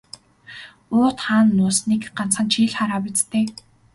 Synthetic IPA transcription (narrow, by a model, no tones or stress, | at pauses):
ʊːt̪χaːnːʊːsniːkɢan̥t͡sχə̆nt͡ɕʰiːɮχaɾaːpĭt͡st̪eː